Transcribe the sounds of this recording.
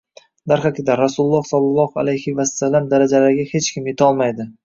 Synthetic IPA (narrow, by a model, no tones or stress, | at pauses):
d̪aɾχakʲʰɪd̪aɾasulˠlˠːɒhsɒlˠːɑlˠɒha̰lajhɪvasːalːamd̪aɾad͡ʒalaɾɡʲahe̞t͡ʃkʲʰɪmjet̪ʰɒlˠmajd̪ɪ